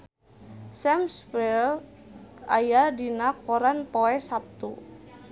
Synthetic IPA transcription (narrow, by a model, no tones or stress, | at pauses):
sɛmswɛl | ajadinakɔɾanpoɛsap̚t̪u